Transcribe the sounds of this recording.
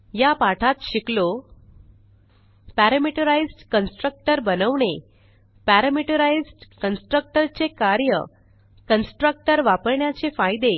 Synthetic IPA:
japaʈʰat̪ɕiklo | pæɾəmiʈəɾaizɖkənsʈɾək̚ʈəɾbənəʋɳe | pæɾəmiʈəɾaid͡zɖkənsʈɾək̚ʈəɾt͡sekaɾjə̰ | kənsʈɾək̚ʈəɾʋapəɾɳjat͡sefajd̪e

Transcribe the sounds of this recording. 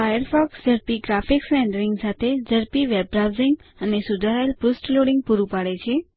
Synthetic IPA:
ajəɾfɔksd͡ʒəɾpiɡɾafiksɛ̃ɳɖəɾiŋɡsat̪ʰed͡ʒəɾpiʋeb̚ɾawziŋɡənesud̪ʱaɾajlpusʈloɽiŋɡ̚puɾũpaɽet͡ʃʰe

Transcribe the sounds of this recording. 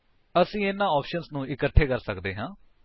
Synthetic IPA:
əsĩːɪnːãːɔːpʰʃənsnũːɪkəʈʰːeːkəɾsəkd̪eːɦãː

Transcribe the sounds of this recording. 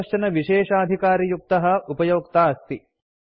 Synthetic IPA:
ʃt͡ʃɐnɐʋiʂeːʂaːd̪ʱikaːɾijuk̚t̪ɐɦɐ̆upɐjoːkt̪aːɐst̪i

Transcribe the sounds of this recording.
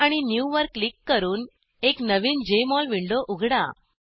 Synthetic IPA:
aɽ̃injuʋəɾkːlikːəɾuːn | eknəʋiːnd͡ʑemɔlʋiɳɖoʔuɡʱɽa̰

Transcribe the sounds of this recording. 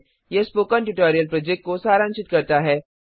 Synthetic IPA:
jespoːkəɳʈuʈɔːɾijəlpɾoːd͡ʒek̚ʈ̚kosaːɾãnʃɪt̪̚kɐɾt̪aɦɛː

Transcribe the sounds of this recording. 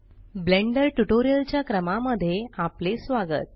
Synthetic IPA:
bleɳɖəɾʈuʈoɾijəlt͡ɕjakɾəmaməd̪ʱːjeaplesʋaɡə̰t̪̚

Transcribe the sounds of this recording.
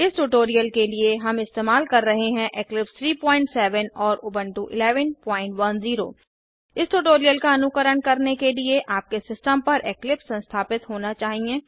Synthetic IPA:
ɪsʈuʈoːɾijəlkelieɦɐmɪst̪eːmaːlkɐɾːɐɦeɦɛ̃ʔeːklɪpst̪ʰɾiːpɔ̃ːɪ̃ɳʈsɛːʋənɔːɾʔʊːbə̃ɳʈuʔɪ̰lɛːʋənpɔːɪ̃ɳʈʋɐnziːɾo̰ː | ɪsʈuʈoːɾijəlkaɐnʊkəɾəɽ̃kɐɾnekelieʔaːp̚kesɪsʈəmpɐɾʔeːklɪpsɐ̃nst̪ʰaːpɪt̪ɦoːnat͡ʃaːɦiẽː

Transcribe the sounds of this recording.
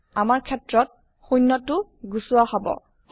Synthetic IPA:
amaɹkʰɛtɹɔt̚ | xujnːɔtːʊɡusuwahɔbɔ̰

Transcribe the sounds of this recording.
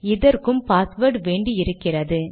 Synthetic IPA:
ɪðɐɾkɯmpaːsʋɐɾʈʋeːɳɖiɪɾɯkːɪrɐðɯ

